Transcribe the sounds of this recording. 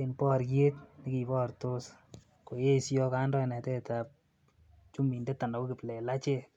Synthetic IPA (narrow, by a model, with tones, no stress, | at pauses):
enpɔ˦ɾkje˦tni˦ki˨bɔ˦ɾto˦s | ko˨je˦sjɔ˦ka˦ndɔ˦nɛ˨tɛ˦tap̚ | t͡ʃu˦mi˨nde˦ta˨na˨ko˦kɪ˨plɛ˨la˦t͡ʃe˦